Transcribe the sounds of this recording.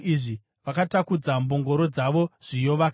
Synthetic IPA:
iʐi | ʋakatakud͡zamboŋɡo̞ɾo̞d͡zaʋo̞ʐ̥ijo̞ʋak

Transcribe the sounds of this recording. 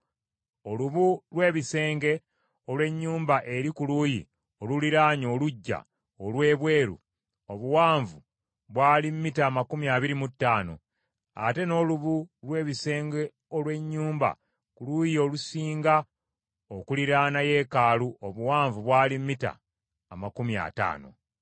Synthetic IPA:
o̞luβulwe̞ːβise̞ːŋɡe̞ | olwe̞ɲːuːmbaʔe̞ɾikuluːjḭ | oluliɾaːɲo̞ːluɟːa̰ | olwe̞ːβwe̞ːɾṵ | o̞βuwaːɱvu | βwaːlimmːitaːmakumiaːβiɾimutːaːno̞̰ | a̰te̞no̞luβulwe̞ːβise̞ːŋɡe | olwe̞ɲːuːmba̰ | kuluːjio̞lusiːŋɡa | okuliɾaːnaje̞ːkaːluʔoβuwaːɱvuβwaːlimːita̰ː | makumia̰ta̰ːno̞̰

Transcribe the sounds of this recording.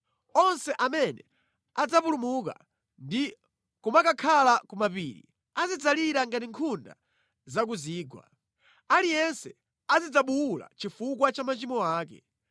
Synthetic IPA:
ɔnsɛʔamɛnɛ | ad͡zapulumuka̰ | ndi | kumakakʰalakumapiːɾḭ | azid͡zaliɾaŋɡatiŋkʰunda̰ | zak̬uziːɡwa̰ | alijɛnsɛ | azid͡zaɓuula̰t͡ʃifuk̬wat͡ʃamat͡ʃimɔaːkɛ̰

